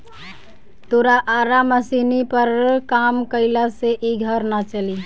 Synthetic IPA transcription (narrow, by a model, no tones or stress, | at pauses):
t̪oɾaʔaɾaməsinipəɾkamkəɪlaseʔiɡʱəɾnat͡ʃəli